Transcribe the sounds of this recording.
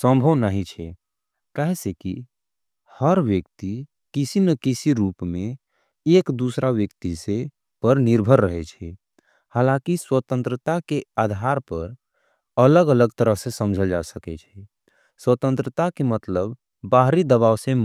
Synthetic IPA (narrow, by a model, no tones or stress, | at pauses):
sə̃mbʱəwnaɦit͡ʃʰɛ | kaɦɛseki | həɾʋjəkt̪i | kisinəkisiɾupme | ekd̪usɾʔaʋjəkt̪ise | pəɾniɾbʱəɾːəɦɛt͡ʃʰɛ | halãkiswət̪ə̃nt̪ɾət̪akead̪ʱaɾpəɾ | ələɡələɡ̚t̪əɾəɦsesəmd͡ʒʱəld͡ʒa̰səkɛt͡ʃʰɛ | swət̪ə̃nt̪ɾət̪akemət̪ləbː | aɦɾid̪əβawsẽ